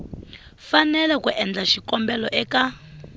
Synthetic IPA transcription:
fanɛlɛkuʔɛnd͡ɮaʃikɔmbɛlɔʔɛka

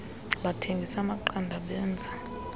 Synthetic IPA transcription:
ɓatʰeŋɡʱisamaǃandʱaɓɛːnd͡zʱa

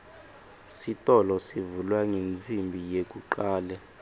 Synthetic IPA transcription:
sitʼɔlɔsivulwaŋend͡zʱimbʱijek̬ʼuǃaːlɛ

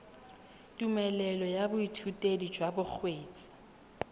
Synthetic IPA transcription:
tʼumɛlɛlɔjabʊitʰutʼedi̥d͡ʒwabʊk͡xʰweːt͡sʼi̥

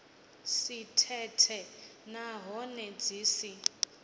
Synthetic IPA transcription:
sitʰɛtʰɛnaɦɔnɛd͡ziːsi

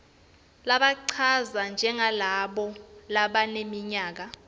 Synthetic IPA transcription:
laɓaǀʰazand͡ʒʱɛŋalaɓɔlaɓanemiɲaːk̬a

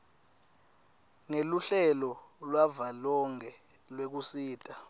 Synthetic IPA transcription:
ŋeluɬɛlɔ | lwavalɔŋɛlwek̬usiːtʼa

